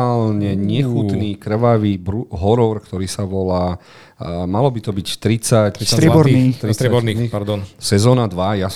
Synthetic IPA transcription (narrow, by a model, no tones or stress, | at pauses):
lɲɛɲɪɛxuniːkɾ̩ʋaʋiːbɾuɦɔɾɔɾkt̪ɔɾiːsaʋɔlaː | malɔbit̪ɔbict̪ɾit͡sac̪aɛbɔɾit̪ɾit̪ɾɛɔɾnipaɾd̪ɔnsɛzɔːnad̪ʋajas